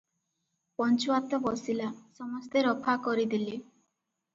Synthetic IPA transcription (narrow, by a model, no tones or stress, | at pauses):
pɔnt͡ʃuat̪ɔbɔsilasɔmɔst̪eɾɔpʰakɔɾid̪ili